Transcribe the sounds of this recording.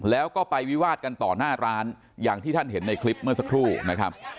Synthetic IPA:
lɛː˦˥wkɔː˥˩pa˧jwi˦˥waː˥˩t̪̚ka˧nt̪ɔː˨˩naː˥˩ɾaː˦˥n | jaː˨˩ŋt̪iː˥˩t̪ʰa˥˩nɦe˩˦nːa˧jkʰli˦˥p̚mɯ˥˩ɐsa˦˥kʰɾuː˥˩na˦˥kʰɾa˦˥p̚

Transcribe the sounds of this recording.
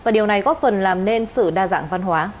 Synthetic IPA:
vaː˨˩ɗi˨˩əwna˨˩jkɔ˨˦˥fə˨˩nlaː˨˩mne˧nsɨ̰˧˨ɗaː˧za̰ː˧˥ŋva˧nɦwaː˨˦

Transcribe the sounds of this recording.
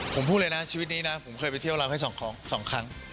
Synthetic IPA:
pʰo˩˦mʰːu˥˩lɤː˧jna˦˥t͡ɕʰiː˧wi˦˥t̪̚niː˦˥na˦˥pʰo˩˦mkʰɤː˧jp̬a˧jt̪ʰwɾaː˧wha˥˩sɔː˩˦ŋkʰɔː˦˥ŋsɔː˩˦ŋkʰa˦˥ŋ

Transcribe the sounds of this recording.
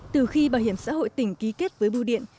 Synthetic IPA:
t̪ɨ˨˩xi˧ɓaː˧˩whɦi˧˩əmsa̰ː˧˥ho̰˧˨jt̪ï˧˩ŋ̟ki˨˦ke˦˥t̚vəː˨˦jɓu˧ɗḭ˧˨ən

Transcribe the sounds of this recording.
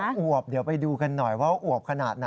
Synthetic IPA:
ʔu˨˩əp̚di˩˦wpa˧jduː˧ka˧nːɔ˨˩jwaː˦˥˩ʔu˨˩əp̚kʰa˧naː˨˩t̪̚na˦

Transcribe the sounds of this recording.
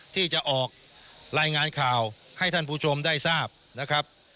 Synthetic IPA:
t̪ʰiː˥˩t͡ɕa˨˩ʔɔː˨˩k̚ | ɾaː˧jŋaː˧nkʰaː˨˩wha˥˩jt̪ʰa˥˩npʰuː˥˩t͡ɕʰo˧mdaː˥˩jsaː˥˩p̚ | na˦˥kʰɾa˦˥p̚

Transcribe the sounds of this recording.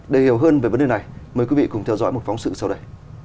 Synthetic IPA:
ɗe˨˩hi˧˩əwɦəː˧nvəː˨˩jvə˨˦nɗe˨˩na˨˩jməː˨˩jkwi˨˦vḭ˧˨kʊ˨˧˩ŋ͡mt̪ʰɛ˧wzɔ̰˧˥jmo˨˩t̚fa˨˦wŋ͡msɨ̰˧˨sa˧wɗə˧j

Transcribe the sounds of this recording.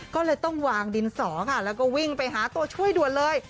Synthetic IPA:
kɔː˥˩lɤː˧jt̪ɔ˥˩ŋwaː˧ŋdi˧nsɔː˩˦kʰa˥˩lɛː˦˥wkɔː˥˩wi˥˩ŋpa˧jɦaː˩˦t̪u˧ɐt͡ɕʰu˥˩əjdu˨˩ən̚lɤː˧j

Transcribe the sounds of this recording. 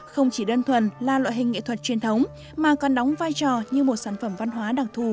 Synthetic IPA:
xə˧wŋ͡mt͡ɕi˧˩ɗəː˧nt̪ʰwə˨˩nlaː˨˩lwa̰ː˧˨jɦï˨˩ŋ̟ːŋḭ˧˥˨t̪ʰwə˨˩t̚t͡ɕwi˨˩ənt̪ʰə˨˦wŋ͡m | maː˨˩kɔ˨˩nɗɔ˨˦wŋ͡mvaː˧jt͡ɕɔ˨˩ɲɨ˧mo˨˩t̚saː˧˩nfə˧˩mva˧nɦwaː˨˦ɗaː˧˩ŋt̪ʰu˨˧˩

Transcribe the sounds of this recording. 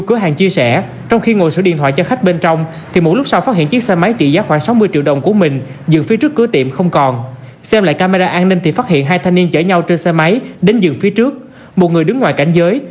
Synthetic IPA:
kɨ˨˦ɦaː˨˩ŋt͡ɕi˧əsɛ˧˩ | t͡ɕɔ˧wŋ͡mxi˧ŋo˨˩jsɨ̰˧˩ḭ˧˨ənt̪ʰwa̰ː˧˨jt͡ɕɔ˧xa˦˥k̚ɓe˧nt͡ɕɔ˧wŋ͡m | t̪ʰi˨˩mo˨˩t̚lʊ˦˥k͡p̚sa˧wfaː˦˥t̚hḭ˧˨nt͡ɕi˦˥k̚sɛ˧ma˨˦jt͡ɕḭ˧˨zaː˨˦xwaː˧˩ŋsa˨˦wmɨ˧əjt͡ɕḭ˧əwɗə˨˩wŋ͡mku˧˩əmï˨˩ŋ̟ | zɨ̰˨˩ŋfi˨˦ət͡ɕɨ˦˥kːɨ˨˦t̪ḭ˧˨əmxə˧wŋ͡mkɔ˨˩n | sɛ˧mla̰ː˧˨jkaː˧maː˧aː˧ʔaː˧nːï˧ŋ̟t̪ʰi˨˩faː˦˥t̚hḭ˧˨ənɦaː˧jt̪ʰa˧ŋni˧ənt͡ɕəː˧˩ɲa˧wt͡ɕə˧nsɛ˧ma˨˦jɗe˨˦nzɨ˨˩ŋfi˨˦ət͡ɕɨ˦˥ək̚ | mo˨˩t̚ŋɨ˨˩əjɗɨ˨˦ŋːwaː˨˩jka˧˩jŋ̟zəː˨˦j

